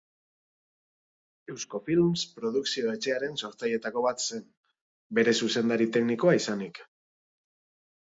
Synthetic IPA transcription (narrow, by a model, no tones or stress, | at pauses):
e̞wsko̞filmspɾo̞ðuksio̞e̞t͡ʃe̞aɾe̞nso̞ɾt͡saje̞t̪ako̞βat̪se̞n | be̞ɾe̞suse̞nd̪aɾit̪e̞kniko̞aisanik